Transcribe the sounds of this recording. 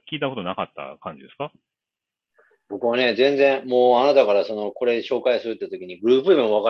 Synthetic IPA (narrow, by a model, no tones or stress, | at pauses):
kʲiːt̪̬ako̞t̪o̞nakat̪ːa̰kãɲ̟d͡ʑid̪e̞sɨ̥ka | bo̞kɯ̟β̞ane̞zẽ̞nd͡zẽ̞ɰ̃mo̞ːanat̪akaɾaso̞no̞ko̞ɾe̞ɕo̞ːkaisɨɾɯ̟t̪ʲːet̪okʲiɲ̟iɡɯ̟ɾɯːpɯbɯ̃mβaka